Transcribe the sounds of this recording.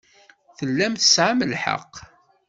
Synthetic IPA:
θəlːæmθə̥sʕaməlħə̰qː

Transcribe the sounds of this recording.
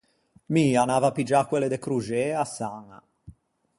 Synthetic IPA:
mianaːvapid͡ʒakːweled̪ekɾud͡ʒeasaŋa̰

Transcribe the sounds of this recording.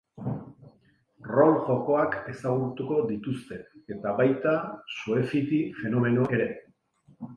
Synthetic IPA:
ro̞lʝo̞ko̞ake̞saɣuɾt̪uko̞ðit̪ust̪e̞ːt̪aβajt̪asue̞fit̪ife̞no̞me̞no̞ʔe̞ɾe̞

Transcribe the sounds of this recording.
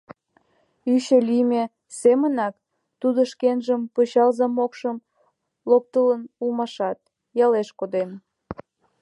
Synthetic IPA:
yɕelime | semənɑk | t̪ud̪oʃkenʒəmpot͡ɕɑlzɑmokʃəm | lok̚t̪ələnulmɑʃɑt̪̚ | jɑleʃkod̪em

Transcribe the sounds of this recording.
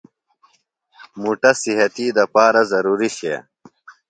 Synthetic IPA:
muʈɐsiɦɐt̪id̪ɐpaːɾazɐɾuːɾiɕḛ

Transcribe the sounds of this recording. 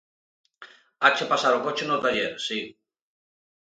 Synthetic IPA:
at͡ʃepasaɾokot͡ʃenot̪ajesi

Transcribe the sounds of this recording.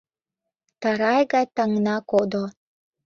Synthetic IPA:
t̪ɑɾɑjɣɑjt̪ɑŋnɑkod̪o

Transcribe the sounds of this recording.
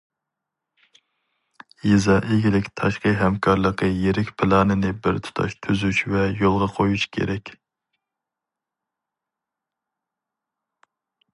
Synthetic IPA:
jizɑʔeɡʲilɪkʲt̪ʰɑʃqəɦɛmkʰɑɾlˠəqːəjeɾɪkʲpʰɪlˠɑːnɨnɪbɪɾt̪ʰu̥t̪ʰɑ̰ʃt̪ʰyzyʃvɛjolˠʁɑqʰojuʃkʲʰḛɾɛkʲ

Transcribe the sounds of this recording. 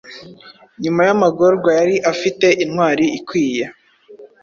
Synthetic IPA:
ɲumajamaɡo̞ɾɡwajaɾiʔafite̞ʔinŋwaːɾiikwiːja

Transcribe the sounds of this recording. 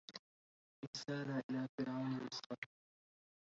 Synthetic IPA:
ʔɪsaːɾaʔɪlaːfɪɾʕawnɪɪsqɑ

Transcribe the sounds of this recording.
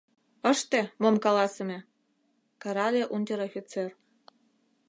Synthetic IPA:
ɤ̆ʃt̪emomkɑlɑsɤ̆mʲĕ | kɑɾɑlʲeʔund̪ʲeɾofʲit͡ser

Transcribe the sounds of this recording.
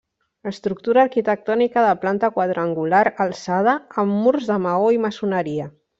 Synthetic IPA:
əst̪ɾuk̚t̪uɾaːɾkit̪ək̚t̪ɔnikəðəplant̪əkwaðɾəŋɡulaɾəlˠsað̞əːmːurzðəmaoiməsunəɾiə

